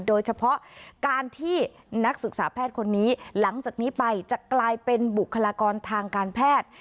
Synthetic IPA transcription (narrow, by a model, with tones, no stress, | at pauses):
doː˧jt͡ɕʰa˧pʰɔ˦˥ʔkaː˧nt̪ʰiː˥˩ | na˦˥k̚sɯ˨˩k̚saː˩˦pʰɛː˥˩t̪̚kʰo˧nːiː˦˥la˩˦ŋt͡ɕaː˨˩k̚niː˦˥pa˧jt͡ɕa˨˩ʔklaː˧jpe˧nbu˨˩kʰːa˧laː˧kɔː˧nt̪ʰaː˧ŋkaː˧npʰɛː˥˩t̪̚